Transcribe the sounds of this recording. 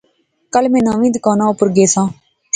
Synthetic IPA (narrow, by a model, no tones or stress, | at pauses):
kəlmẽːnãːʋĩːd̪kaːnãːʊpʊɾɡeːsãː